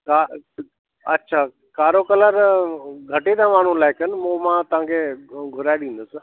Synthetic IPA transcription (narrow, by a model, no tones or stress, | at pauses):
ka | ɐtːʃʰaː | kaːɾokələɾɡʱɐʈed̪ãmaːɳ̤ũlaːɪkənɪ̆mũmãt̪ɐʋ̤ãːŋkʰeɡʱʊɾaːeɗĩːnd̪əsɪ̆